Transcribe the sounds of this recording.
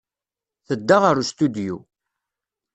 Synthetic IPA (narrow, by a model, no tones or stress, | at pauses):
θəd̪ːaʁəɾust̪ud̪jṵ